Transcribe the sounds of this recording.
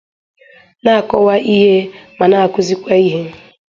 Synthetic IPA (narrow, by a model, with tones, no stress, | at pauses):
na˦˨a˨kɔ˦wa˦ʔi˦ɦe˦ma˨na˨kʊ˦zi˦kʷa˦i˦ɦe˦